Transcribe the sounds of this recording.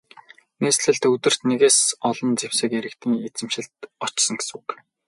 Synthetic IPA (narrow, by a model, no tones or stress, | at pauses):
neːsɮɘ̆ɮt̪ɵt̪ɘ̆r̥t̪neɣeːsɔɮɞ̆nt͡sewsɘ̆keɾɘ̆kt̪ʰiːŋet͡sɘ̆mʃɪ̆ɮt̪ɔt͡ɕsɞ̆ŋɡesuk